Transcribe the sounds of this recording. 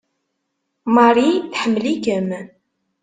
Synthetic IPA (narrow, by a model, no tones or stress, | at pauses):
mɑɾiθħəmːlikəm